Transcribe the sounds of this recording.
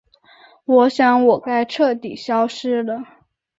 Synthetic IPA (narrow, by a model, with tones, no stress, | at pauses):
wɔ˨˩ɕjɑ˥˩ŋwɔ˨˩ka˥ɪʈ͡ʂʰɤ˥˩t̪i˨˩ɕjɑ˥ʊʂɻ̩˥lə˨